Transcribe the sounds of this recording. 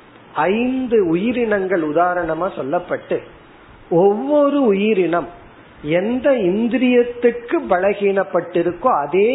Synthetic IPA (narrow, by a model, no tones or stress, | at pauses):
ɐɪnd̪ɯʊjɪɾɪɳɐŋɡɐɭʊðaːɾɐɳɐmaːsɔlːɐpːɐʈːɯ | ɔʋːɔɾɯʊjɪɾɪɳɐm | ɛnd̪ɐɪnd̪ɪɾɪjɐt̪ːɯrkɯbɐɭɐɣiːɳɐpːɐʈːɪɾɯkːõːɐðeː